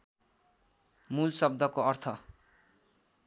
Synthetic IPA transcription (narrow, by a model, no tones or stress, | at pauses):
mulsʌb̚d̪ʱʌkoʌrt̪ʰʌ